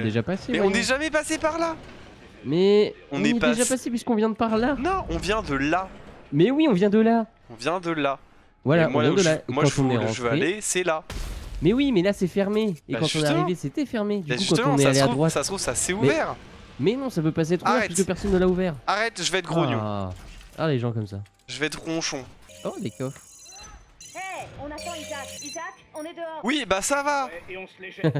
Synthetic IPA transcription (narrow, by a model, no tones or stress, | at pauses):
d̪eʒapasewɛɔ̃nɛʒamɛpasepaʁla | mɛɔ̃ñɛɛd̪eʒapasep̬ɥiskɔ̃vjɛ̃d̪əpaʁlanɔ̃ɔ̃vjɛ̃d̪əlamɛwiɔ̃vjɛ̃d̪əla | ɔ̃vjɛ̃d̪əla | vwalam̃avɛ̃d̪əlaewkɑ̃t̪ɔ̃nɛʁɑ̃tʒəvaʁelesɛlamɛwimɛlasɛfɛʁmeːkɑ̃t̪ɔ̃neaʁĩveset̪ɛfɛʁmed̪yʒuskɑ̃t̪əɔ̃nɛaleadd̪ʁwat̪sast̪χuvsasɛumɛvɛʁ | mɛnɔ̃sapøpasɛt̪χuvɛʁpisəkəpɛʁsɔnːəlauvɛʁaʁɛt̪ʒəvɛɛt̪̚ɡʁonjũ | a̰leʒɑ̃kɔmsa | ʒəvɛɛt̪ʁɔ̃ʃɔ̃od̪ekɔf | ɛɔ̃nat̪ɑ̃izakizak | ɔ̃nɛd̪əɔʁwibasavaɔ̃